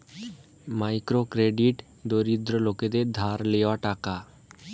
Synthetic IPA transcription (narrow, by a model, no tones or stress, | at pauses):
majkɾokɾeɖiʈ | d̪oɾid̪ɾoloked̪eɾd̪ʱaɾleoaʈaka